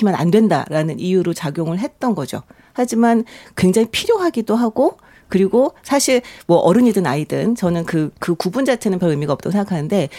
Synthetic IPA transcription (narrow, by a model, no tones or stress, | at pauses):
imjʌna̰ndwe̞nda̰ɾanɯnʔijuɾot͡ɕaɡjoŋɯɭɦe̞t̚t͈ʌnɡʌd͡ʑo̰ | had͡ʑimankwe̞ŋd͡ʑaŋipʰiɾjoɦaɡidoɦaɡo | kɯɾiɡosʰaɕʰiɭmwʌʔʌɾɯɲidɯnaidɯnt͡ɕʌnɯnkɯkɯkubund͡ʑat͡ɕʰe̞nɯnpjʌɾɯmiɡaʌp̚t͈aɡosʰeŋɡakʰanɯnde̞